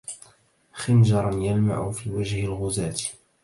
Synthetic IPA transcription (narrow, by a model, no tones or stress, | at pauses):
xɪnʒɑɾˤɑnjalma̰ʕʊfiːwad͡ʒhɪlɣʊzaːt̪